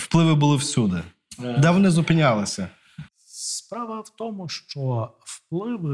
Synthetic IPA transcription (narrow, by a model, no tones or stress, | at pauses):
wplˠɪʋɪbʊlˠɪwsʲud̪ɪ | d̪ɛʋɔnɪzʊpɪnʲalˠɪsʲɐ | spɾɑʋɐwt̪ɔmʊʃt͡ʃɔ | wplˠɪʋɪ